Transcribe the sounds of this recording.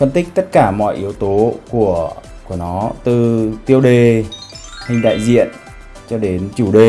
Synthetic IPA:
fə˧nt̪ï˦˥k̟̚t̪ə˦˥t̚kaː˧˩mɔ̰˧˨jʔi˨˦əwt̪o˨˦ku˧˩ə | ku˧˩ənɔ˨˦t̪ɨ˨˩t̪i˧əwɗe˨˩ | hï˧˩ŋ̟ɗa̰ː˧˨jzḭ˧˨ən | t͡ɕɔ˧ɗe˨˦nt͡ɕu˧˩ɗe˨˩

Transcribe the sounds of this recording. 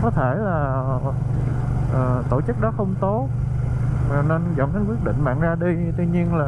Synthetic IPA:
kɔ˨˦t̪ʰe˧˩laː˨˩ | ʔəː˨˩t̪o˧˩t͡ɕɨ˦˥k̚ɗɔ˨˦xə˧wŋ͡mt̪o˨˦ | aː˨˩ne˧nzɔ̰˧˨ŋɗe˨˦nkwi˦˥ət̚ɗḭ̈˧˨ŋ̟ɓa̰ː˧˨ŋzaː˧ɗi˧t̪wi˧ɲi˧ənlaː˨˩

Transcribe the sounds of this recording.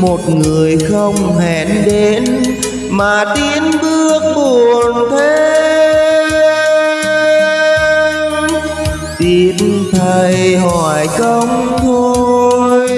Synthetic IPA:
mo˨˩t̚ŋɨ˨˩əjxə˧wŋ͡mhɛ˧˨nɗe˨˦n | maː˨˩t̪i˧nɓɨ˧ək̚ɓu˨˩ənt̪ʰe˧˦ | t̪i˧˩nt̪ʰə˨˩jjɦɔ˧˨˩jkə˧wŋ͡mt̪ʰo˧jj

